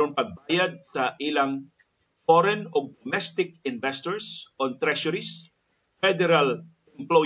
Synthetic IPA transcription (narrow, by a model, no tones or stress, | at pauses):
ʊŋpɐɡ̚bajad̪̚sɐʔɪlaŋ | fɔɾɛnɔɡ̚d̪omɛst̪ɪk̚ɪnvɛst̪ɔɹsʔɔnt̪ɾɛʃʊɾis | fɛd̪ɛɾal | ɛmplo